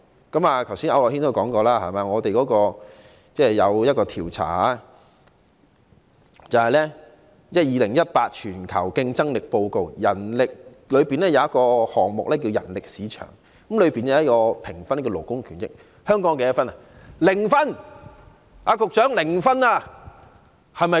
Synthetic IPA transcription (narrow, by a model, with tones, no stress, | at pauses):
kɐ˨˥maː˨k̪ʰwsiː˥nɐ̰˨˧wlɔː˨hi˥nt̪o˥˧kɔː˨˥ŋkɔː˧laː˥hɐ̰˨jmaː˨˧ŋɔː˨˧t̪e˨jkɔː˨˥kɔː˧ | t͡sɛː˥˧jɐ˨˧wjɐ˥t̚kɔː˧t̪ʰiː˨˩wt͡sʰa̰ː˨˩a˦˥ | t͡sɐ˨˩whɐ˨jlɛː˥ | jɐ˥t̚jiː˨˧lɪ˨˩ŋjɐ˥t̚paː˧t̚t͡ʃʰyː˨˩nkʰɐ̰˨˩wkɪ˧ŋt͡sɐ˥ŋlɪ˨k̚po˧wko˧wjɐ˨˩nlɪ˨k̚ | lɵ˨˧ɥpiː˨nlɛː˥jɐ˨˧wjɐ˥t̚kɔː˧hɔː˨˩ŋmʊ̰˨k̚lɛː˥k̬i˧wjɐ̰˨˩nlɪ˨k̚siː˨˥t͡ʃʰœ̰ː˨˩ŋ | ɐ˨˥mlɵ˨˧ɥpiː˨njɐ˨˧˦ɐ˥kɔː˧pʰɪ˨˩ŋfɐ˥n˥kɛ˧lo˨˩wkʊ˥ŋkʰyː˨˩nt͡sɪ̰˥k̚ | hœː˥ŋkɔː˨˥ŋke˨˦jɐ˥tfɐ˥nɐ˨lɪ˨˩ŋfɐ˥n | aː˨˧kʊ˨k̚t͡ʃœː˨˥ŋlɪ˨˩ŋfɐ˥na˧ | hɐ˨jmɐ˨